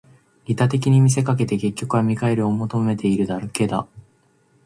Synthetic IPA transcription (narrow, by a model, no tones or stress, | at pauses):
it̪at̪e̞kʲiɲ̟imʲis̬e̞kak̬e̞t̪e̞ke̞kʲːo̞kɯamʲikae̞ɾɯ̟omo̞t̪o̞me̞t̪ʰe̞iɾɯ̟d̪aɾoke̞d̪a̰